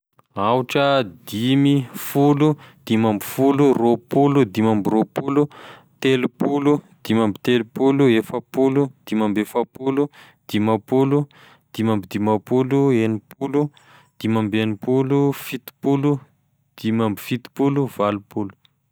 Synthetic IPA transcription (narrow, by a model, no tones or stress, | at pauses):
awʈ͡ʂəd̪imifulud̪̥imambifuluropulud̪imambiropulut̪elupulud̪̥imambit̪elupuluefəpulud̪̥imambefəpulu | d̪̥imapulu | d̪̥imambid̪imapuluenipʰulu | d̪̥imambenipulufit̪i̥pulu | d̪̥imambifit̪i̥puluvalupulu̥